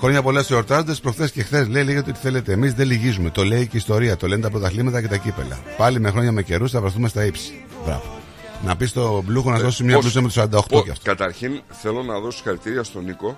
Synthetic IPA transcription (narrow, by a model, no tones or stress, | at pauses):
xɾoɲɐpoleseoɾt̪ɐzond̪espɾo̞xθe̞sce̞xθe̞sle̞ileɣet̪eot̪iθe̞le̞t̪e̞ːmizðe̞liʝizume̞t̪o̞le̞iceist̪o̞ɾiɐt̪o̞le̞nt̪ɐp̬lot̪ɐxlimɐt̪ɐcet̪ɐcipe̞̰lɐ̰pɐlime̞xɾo̞ɲɐme̞ce̞ɾusθɐvɾeθumest̪ɐipsi̥ | vɾɐ̰vo | nɐpist̪o̞bluxonɐzðo̞simɲɐlusɐmet̪osɐɾɐnd̪ɐoxt̪ocɐ̰ft̪oɐt̪ɐɾçinθelo̞nɐðo̞si̥xɐɾit̪iɾiɐst̪oniko̞